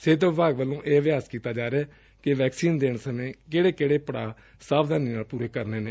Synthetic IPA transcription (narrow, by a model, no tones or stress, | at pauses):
seːt̪ːʋɪbʱaːɡʋəlːõːʔeːʋɪaːskiːt̪aːd͡ʒaːɾeɛː | kɪʋɛːksiːnd̪eːɳsəmẽːkeːɽeːkeːɽeːpəɽaː | saːbd̪aːniːnaːlpuːɾeːkəɾneːneː